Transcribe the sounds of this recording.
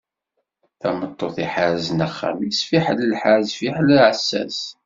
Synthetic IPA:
θæmət̪ˤːoθiħaɾzənæχːa̰misfiħləlħazfiħləlʕəsːæ̰s

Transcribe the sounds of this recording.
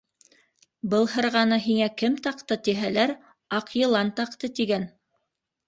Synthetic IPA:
bɤlˠhɤ̆ɾʁɑnɤɦiŋækɘmt̪ɑqt̪ɤt̪iɦælæɾ | ɑqjɤ̆lˠɑnt̪ɑqt̪ɤt̪iɡæn

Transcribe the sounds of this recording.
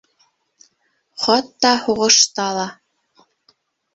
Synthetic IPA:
χɑt̪ːɑhuʁɤ̆ʃt̪ɑlˠɑ

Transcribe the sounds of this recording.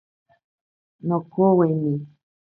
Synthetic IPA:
nokoweni

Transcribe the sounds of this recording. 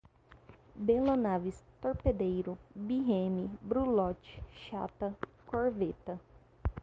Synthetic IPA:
belonavist̪oɾped̪ejɾʊbiɦẽmibɾulɔt͡ʃi̥ʃa̰t̪ɐ | koɾvet̪ɐ

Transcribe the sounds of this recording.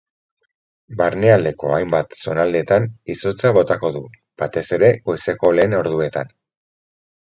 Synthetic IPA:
baɾneald̪e̞ko̞ajmbat̪so̞nald̪et̪aniso̞t͡saβo̞t̪ako̞ðu | b̥at̪e̞se̞ɾe̞ɣojse̞ko̞le̞ːno̞ɾðue̞t̪an

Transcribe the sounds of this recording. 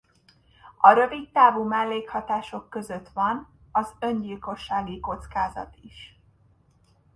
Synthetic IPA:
ɒɾø̞vit̪t̪aːvumɛlːeːkhɒt̪aːʃo̞kːø̞zøt̪ʋɒn | ɒzø̞ɲɟiːlko̞ʃːaːɡiko̞t̪skaːzɒ̰t̪iʃ

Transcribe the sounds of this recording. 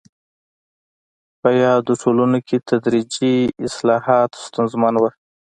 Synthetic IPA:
pəjɑd̪osʰolunokʰet̪ʰad̪ɾid͡ʒiɪslɑhɑt̪st̪ʊnzmanwə

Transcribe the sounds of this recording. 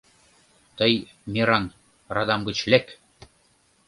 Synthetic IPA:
t̪ɤj | mʲiɾɑn | rɑd̪ɑmɡɤ̆t͡ɕlek

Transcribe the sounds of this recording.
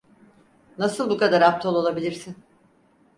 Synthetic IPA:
nasɯlˠbukad̪aɾap̚t̪ʰolˠo̞lˠabilʲiɾsɪn

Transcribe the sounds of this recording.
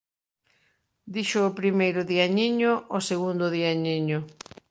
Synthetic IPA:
d̪iʃʊːpɾimejɾʊðiaɲiɲʊʔoseɣund̪ʊðiaɲiɲʊ

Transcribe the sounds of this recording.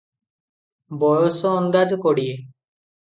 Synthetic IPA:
bɔɹɔsɔːnd̪ad͡ʒɔkɔɽie

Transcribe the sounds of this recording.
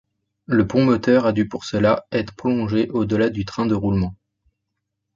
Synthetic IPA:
ləpɔ̃mɔt̪œʁad̪ypuʁsəlaɛt̪χə̥pχɔlɔ̃ʒeʔod̪əlad̪yt̪χɛ̃d̪əʁulmɑ̃

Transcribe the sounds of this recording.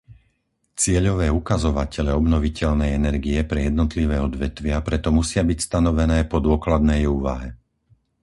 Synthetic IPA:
t͡sɪɛʎɔʋɛːukazɔʋacɛʎɛɔbnɔʋicɛʎnɛjɛnɛɾɡiɛpɾɛjɛd̪nɔt̪liʋɛːɔd̪ʋɛt̪ʋɪapɾɛt̪ɔmusɪabicst̪anɔʋɛnɛːpɔd̪ʊɔklad̪nɛjuːʋaɦɛ

